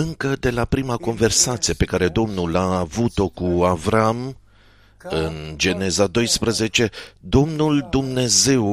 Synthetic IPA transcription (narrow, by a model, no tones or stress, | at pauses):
ɨŋkəd̪e̞lapɾimako̞nve̞rsat̪sijepe̞kaɾe̞d̪o̞mnulaːvut̪o̞kuavɾam | ɨnd͡ʒe̞ne̞zad̪o̞jspɾəze̞t͡ʃe̞d̪o̞mnuld̪umne̞ze̞w